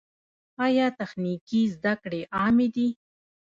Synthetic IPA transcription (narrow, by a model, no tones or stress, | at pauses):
ɑjɑt̪axnikizd̪akɽeʔɑmed̪i